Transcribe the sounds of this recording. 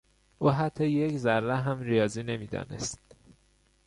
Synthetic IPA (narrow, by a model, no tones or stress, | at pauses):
ʔuːɦæt̪ʰːɒːjeczæɾːæɦæmrijɒːziːne̞miːd̪ɒ̰ːne̞̰st̪̚